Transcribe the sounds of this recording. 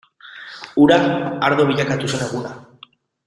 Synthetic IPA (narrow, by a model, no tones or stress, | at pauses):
uɾaːɾðoβiʎakat̪useneɣuna